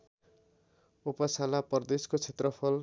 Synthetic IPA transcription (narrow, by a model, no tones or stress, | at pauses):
upʌsalapʌrd̪eskot͡sʰet̪rʌpʰʌl